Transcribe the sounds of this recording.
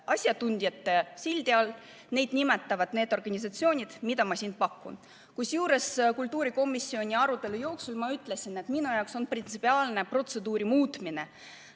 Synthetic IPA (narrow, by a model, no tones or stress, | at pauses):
ʔɑsʲjɑt̪unʲd̪̥jɑt̪ːesilʲd̪iɑl | ne̞jd̪̥nimet̪ːˑɑvɑd̪̥ne̞ːd̪o̞rɡ̥ɑnʲis̬ɑt̪sio̞ːnʲid̪̥mid̪̥ɑmɑsin̥̚pɑkːṵn | kusjuːɾe̞skult̪ːˑuːɾiko̞mːˑisːio̞nʲiɑɾut̪ːˑe̞lujo̞ːksulmɑyt̪ːˑle̞sine̞t̪minujɑwkso̞nprint̪sipːiɑːlne̞pro̞t̪se̞d̪uːɾimuːt̪mine